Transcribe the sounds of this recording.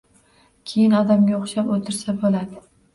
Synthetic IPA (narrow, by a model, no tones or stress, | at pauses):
kʲʰe̞jɪnɒd̪amɡʲaoχʃapot̪ʰɪɾsabolad̪ɪ